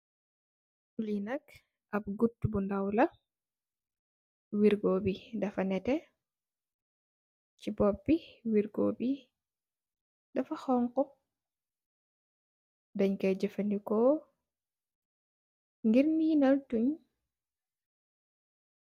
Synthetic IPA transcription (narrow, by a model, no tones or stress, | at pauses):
ulinɐk | ʔɐp̚ɡutːubundawlɐ | wiɾɡɔbidɐfɐnɛtɛ | cibɔpːiwiɾɡɔbi | dɐfaxɔŋkɔ | dɐɲkɛd͡ʒəfɐndikɔ | ŋɡiɾnijinaltuɲ